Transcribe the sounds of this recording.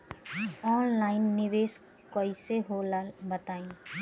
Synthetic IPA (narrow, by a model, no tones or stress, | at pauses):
ɔːnlaːɪnːɪʋeːs | koːiseɦolbɐt̪aːẽː